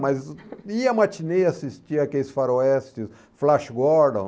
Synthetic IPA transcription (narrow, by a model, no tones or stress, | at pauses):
majziɐmat͡ʃineasist͡ʃiakelɪsfaɾoɛst͡ʃɪs | flaʃɡɔɾd̪õ̰